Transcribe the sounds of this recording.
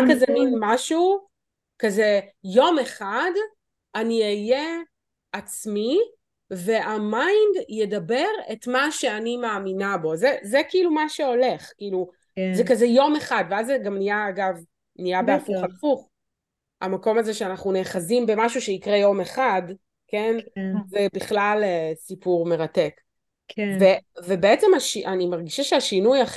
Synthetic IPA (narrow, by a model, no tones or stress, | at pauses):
akazɛminmaʃu | kazejo̞me̞χad | aniaje | ʔat͡smi | ve̞ʔamajndjedabe̞ʁetmaʃe̞animaːminabo̞zezekiilumaʃeo̞le̞χkiilu | zekazejo̞me̞χadveazeɡamnijaːɡav | nijabeafuχafuχ | a̰mako̞mazeʃeanaχnuneχazimbe̞maʃuʃeikʁejo̞me̞χad | kenzebiχlalesipuʁme̞ʁatek | vevebeet͡semaʃiʔanimaʁɡiʃaʃeaʃinujaχ